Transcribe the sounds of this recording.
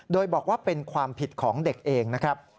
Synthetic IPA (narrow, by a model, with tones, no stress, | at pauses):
doː˧jbɔː˨˩k̚waː˥˩pe˧nkʰwaː˧mpʰi˨˩t̪̚kʰɔː˩˦ŋde˨˩k̚ʔeː˧ŋna˦˥kʰɾa˦˥p̚